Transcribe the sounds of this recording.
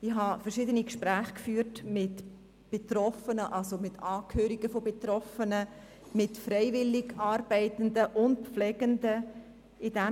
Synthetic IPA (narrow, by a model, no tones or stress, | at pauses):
ɪxɦɑfərʃɪdənikʃpɾæːχkfyːɾtmɪt | b̥etɾɔfənəʔɑlsomɪtʰɑːkʰhøːɾiɡəfobet̪ɾɔfənə | mɪtfɾɛɪvɪlːɪɡɑːɾb̥ɛɪtəndəʔʊnt̚pflɛːɡ̥əndə | ɪdɛ